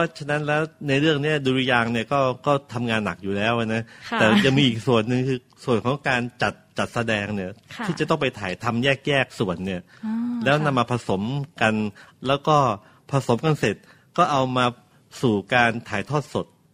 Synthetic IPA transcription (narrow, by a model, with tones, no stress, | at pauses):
ɔː˥˩t͡ɕʰa˧na˦˥nlɛː˦˥wna˧jɾɯ˥˩əŋni˥˩ɐduː˧ɾi˧jaː˧ŋni˥˩ɐkɔː˥˩kɔː˥˩t̪ʰa˧mŋaː˧nːa˨˩k̚juː˨˩lɛː˦˥wʔa˨˩na˦˥t̪ɛː˨˩ja˨˩ŋmiː˧ʔiː˨˩k̚su˨˩ənːɯ˨˧ŋkʰɯː˧ | su˨˩ənkʰɔː˩˦ŋkaː˧nt͡ɕa˨˩t̪̚t͡ɕa˨˩t̪̚sa˧dɛː˧ŋni˥˩ɐt̪ʰi˥˩t͡ɕa˨˩t̪ɔ˥˩ŋpa˧jt̪ʰaː˩˦jt̪ʰa˧mjɛː˥˩k̚jɛː˥˩k̚su˨˩ənːi˥˩ɐ | lɛː˦˥wna˧mːaː˧pʰa˧so˩˦mka˧nlɛː˦˥wkɔː˥˩ | pʰa˧so˩˦mka˧nse˨˩t̪̚ | kɔː˥˩ʔa˧wmaː˧ | suː˨˩kaː˧nt̪ʰaː˩˦jt̪ʰɔː˥˩t̪̚so˨˩t̪̚